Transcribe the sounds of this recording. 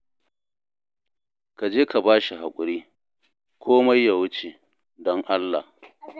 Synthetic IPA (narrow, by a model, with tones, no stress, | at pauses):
ka˨d͡ʒeː˦ka˨baː˦ʃi˨ɦa˨kʷʼʊ˨ɾiː˦ | kʷʰoː˦ma˦jːa˨wʊ˦t͡ʃe˨ | dɔ˦ŋʔa˦lːa̰˨h